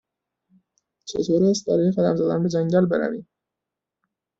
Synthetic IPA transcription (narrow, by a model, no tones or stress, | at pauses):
t͡ʃʰḛt̪ʰoːɾæst̪̚bæɾɒːjexæd̪æmzæd̪ænbed͡ʒæŋɟælbeɾæ̰viːm